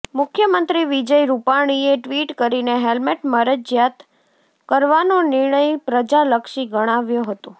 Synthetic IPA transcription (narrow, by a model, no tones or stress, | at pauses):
mʊkʰjəmənt̪ɾiʋid͡ʒəjɾupaɽ̃ieʈʋiʈkəɾineɦelmeʈməɾəd͡ʒjat̪ | kəɾʋanonɪɾɳəjpɾəd͡ʒaləkʃiɡəɽ̃aʋjoɦət̪õ